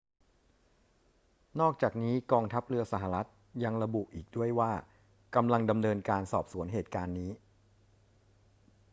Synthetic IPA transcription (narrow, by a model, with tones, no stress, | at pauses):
nɔː˥˩k̚t͡ɕaː˨˩k̚niː˦˥kɔː˧ŋt̪ʰa˦˥p̚ɾɯ˧ɐsa˧˩ɦa˨ɾa˦˥t̪̚ | ja˧ŋɾa˧bu˨˩ʔiː˨˩k̚du˥˩əjwaː˥˩ | ka˧mla˧ŋda˧mnɤː˧nkaː˧nsɔː˨˩p̚su˩˦ənɦeː˨˩t̪̚kaː˧nːiː˦˥